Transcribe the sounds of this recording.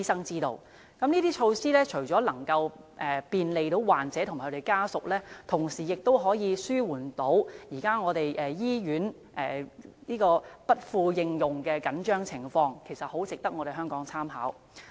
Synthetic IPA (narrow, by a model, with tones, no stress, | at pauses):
i˥sɐ˥ŋt͡siː˥t̪o̰˧w | kɐ˨˥mniː˥t̪iː˥t͡ʃʰo˧wsiː˥lɛː˥t͡ʃʰɵ˨˩ɥt͡sɔː˨˥lɐ˨˩ŋkɐ˧w | ʔɛ˨piː˧nle˨jt̪o˨˥wwaː˨˩nt͡sɛː˨˥tʰʊ˨˩ma˨˩kʰɵ˧˥t̪e˨˩kaː˥sʊ˨k̚lɛː˥t̪ʰʊ˨˩ŋsiː˨˩jɪ˨k̚t̪o˥wɦɔː˨˥jiː˨˧syː˥wuː˨˩nt̪o˨˥wjiː˨˩kaː˥ŋɔː˨˧t̪e˨jʔɛ˨jiː˥jyː˨˥n | ʔɛː˨niː˥kɔː˧pɐ˥t̚fuː˧jɪ˧ŋjʊ˨ŋkɛː˧kɐ˨˥nt͡ʃœː˥ŋt͡sʰɪ˨˩ŋfɔː˧ŋkʰe˨˩jsɐ˨t̚ho˨˥wt͡sɪ˨k̚t̪ɐ˥k̚ŋɔː˨˧ɾe˨˩ɦœː˥ŋkɔː˨˥ŋt͡sʰaː˥mɦa̰ː˨˥w